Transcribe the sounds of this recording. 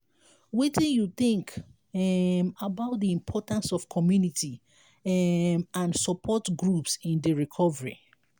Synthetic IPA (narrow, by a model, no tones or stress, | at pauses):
witĩnjuθɪ̃ŋk | mabaʊt̚diĩmpʰɔtãnsɔfkʰɔmjunitʰi | mãnsɔpʰɔtɡɹupsĩndəɹikʰɔvəɹḭ